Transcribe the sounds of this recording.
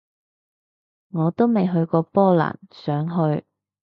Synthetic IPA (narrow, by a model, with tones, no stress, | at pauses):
ŋɔː˨˧t̪o˥wme˨jɦɵ˧ɥkɔː˧pɔː˥la̰ː˨˩nsœː˨˥ŋɦɵ˧ɥ